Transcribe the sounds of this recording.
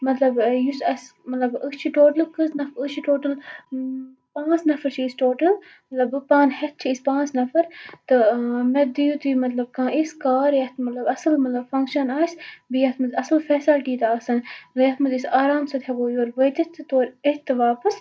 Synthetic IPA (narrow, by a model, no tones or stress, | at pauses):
mɐt̪lɐbjusɐsmɐt̪lɐbɨst͡ʃʰiʈoːʈəlkɨsnɐfɨt͡ʃʰiʈoːʈɐl | pãːsnɐfɐɾt͡ʃʰiːsʈoːʈəl | mɐt̪lɐbɨpãːnhɛt̪̚t͡ʃʰiispãːnsnɐfɐɾt̪ɨmed̪ujut̪imɐt̪lɐb̚kãːʔiskaːɾjɐt̪mɐt̪lɐbɐsɨlmɐt̪lɐbfɐ̃ŋkʃɐnaːjsbijɐt̪ʰmɨzɐsɨlfɛːsɐlʈiːt̪aːsɐnjɐt̪ʰmɐzisaːɾaːmsɐt̪ɦɛboːjoːɾʋət̪ɐt̪ʰːɨt̪oːɾit̪ːɨʋaːpɐs